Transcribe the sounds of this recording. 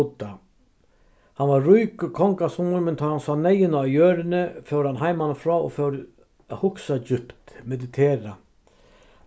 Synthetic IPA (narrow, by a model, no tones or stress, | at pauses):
t̪a | hanʋaɾːujkkʰɔŋkasumʊɾmɛnt̪ʰɔhansaːnɛjɪnaːjøːɾɪnɪfœwɾhanɦajmanəfɾɔːɔ̰fœwɾ | hʊksad͡ʑʏpt̪mɛd̪ɪt̪ʰeːɾa